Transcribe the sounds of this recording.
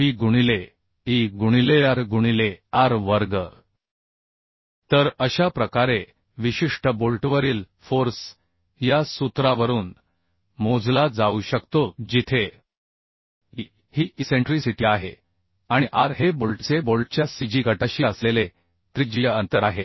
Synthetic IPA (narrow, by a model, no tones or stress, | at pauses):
piːɡuɽ̃ile | iɡuɽ̃ilejaɾɡuɽ̃ileaɾʋəɾɡə | t̪əɾəɕapɾəkaɾe | ʋiɕiʂʈəbolʈʋəɾiːl | foɾs | jasut̪ɾaʋəɾuːn | mod͡zlad͡zauɕəkt̪od͡ʑit̪ʰe | ɦi | hiːʔiseɳʈɾisiʈiːaɦḛ | aɽ̃iʔaɾɦebolʈt͡sebolʈ̚t͡ɕjasid͡ʑiɡʱəʈəɕiːəslele | t̪ɾid͡ʑijəənt̪əɾaɦe